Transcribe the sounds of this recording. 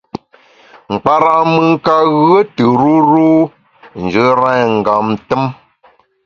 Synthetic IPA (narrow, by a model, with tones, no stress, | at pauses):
ŋ͡m̩˨k͡pa˦ɾa˦ʔmɨ˦ŋ˦ka˦ɣə˦tɨ˨ɾu˦ɾu˦ | n̩˨d͡ʒə˦ɾɛ˦ŋ̩˨ɡa˨mtə˦m